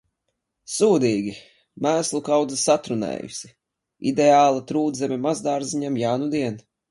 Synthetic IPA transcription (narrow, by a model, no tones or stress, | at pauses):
suːd̪iːɡʲi | mæːslˠukawd̪zasat̪ɾunɛ̰ːjṵsi | id̪eaːlˠat̪ɾuːd̪zɛmɛmazd̪aːɾziɲamjaːnud̪iɛn